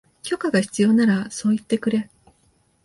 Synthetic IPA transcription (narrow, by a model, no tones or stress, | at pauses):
kʲo̞kaɡaçi̥t͡sɨjo̞ːnaɾaso̞ːit̪ːe̞kɯ̟ɾe̞